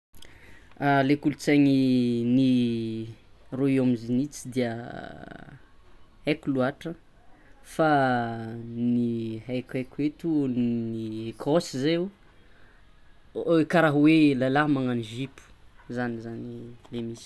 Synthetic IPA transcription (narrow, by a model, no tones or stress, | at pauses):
alekulut͡saŋini | roiamizinit͡sid̪iə | hajkʲuluaʈ͡ʂə | fa | niɦajkʲajkʲwet̪unikʰosizeu | kaɾaɦwelalaɦmaŋaniʒipu̥ | zanizanilemis